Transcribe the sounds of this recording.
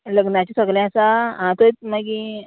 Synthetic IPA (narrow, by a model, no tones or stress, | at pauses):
ləɡnãt͡ɕisəɡlɛ̃asaɦãt̪əit͡s̚maɡi